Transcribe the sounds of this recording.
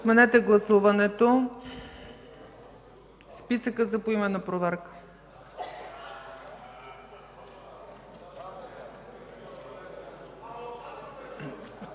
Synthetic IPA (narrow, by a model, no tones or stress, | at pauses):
t̪mɛnɛt̪ɛɡlˠɐsuvɐnɛt̪o | spisəkəzɐpoimɛnɐpɾovɛɾkə̥